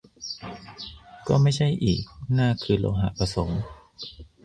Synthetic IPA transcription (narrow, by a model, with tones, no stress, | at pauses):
kɔː˥˩ma˥˩jt͡ɕʰa˥˩jʔiː˨˩k̚naː˥˩kʰɯː˧˩lo̰ː˧ɦa̰˧ʔpa˧so˩˦ŋ